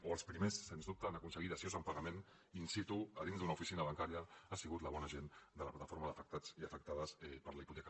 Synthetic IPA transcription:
oəlˠspɾimesːenzðup̚t̪əanəkunsəɣit̪əsjozəmpəɣəmen | insit̪uəðinzðunaufisinəβaŋkaɾiəasiɣut̪ləβɔnəʒend̪əlɐplat̪ə̥foɾməðəfək̚t̪ad͡ziəfək̚t̪aðəsɛpəɾləiput̪ɛk

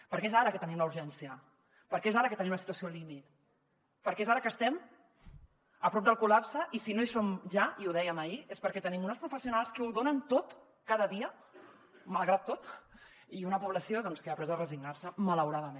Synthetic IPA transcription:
pəɾkɛezaɾəkət̪ənimləuɾʒɛnsiə | pəɾkɛezaɾəkət̪ənimunəsit̪uəsiolimit̪ | pəɾkezaɾəkəst̪ɛm | əpɾɔp̚d̪əlˠkulapsəʔisinoesomʒaiuðɛjəməiespəɾkɛt̪ənimunəspɾufəsiunalˠskəuðonənt̪ot̪ | kaðəðiə | məlˠɣɾat̪ːot̪ | iunəpuβləsioðɔnskəapɾɛzðərəziɡnaɾsəmələwɾaðəme

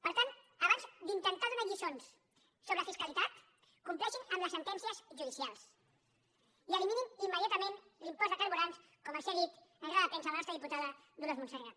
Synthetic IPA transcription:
pəɾt̪an | əβanzd̪int̪ənt̪aðunaʎisonsː | oβɾəəfiskəlit̪at̪ | kumplɛʃinəmləsːənt̪ɛnsiəzʒuðisialˠs | iəlimininimːəðjat̪əmenlimpɔzðəkəɾβuɾans | kɔməselit̪əɣɾaðəpeɛnsaəlɐnɔst̪ɾəðiput̪aðə | ðulozmunsəra

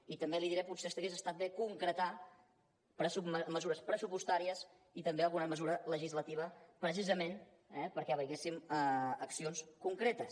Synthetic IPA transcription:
it̪əmbeliðiɾɛput̪sest̪əɣesəst̪at̪̚b̪ekuŋkɾət̪a | pɾəsuməzuɾəspɾəsupust̪aɾiəz | it̪əmbeəlˠɣunəməzuɾələʒizlət̪iβ̞əpɾəs̬izəmen | ɛpəɾkɛβəɣesiməəksionskuŋkɾet̪əs

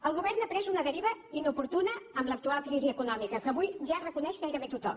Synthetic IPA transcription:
əlˠɣuβɛɾnəpɾɛzunəðəɾiβəinupuɾt̪unəːmlək̚t̪ualˠkɾiziəkunɔmikəkəːβujʒarəkunɛʃkajɾəment̪ut̪ɔ̰m

